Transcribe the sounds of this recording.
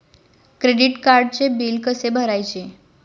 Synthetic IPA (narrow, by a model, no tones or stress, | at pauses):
kɾeɖiʈkaɾɖ̚t͡sebilkəsebʱəɾajt͡ɕe